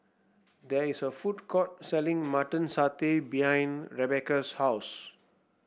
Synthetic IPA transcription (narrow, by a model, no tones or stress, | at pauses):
d̪ɛisəfudkʰɔt̚sɛlĩŋmatə̃nsatebihãj̃nɹɛbɛkəshaʊs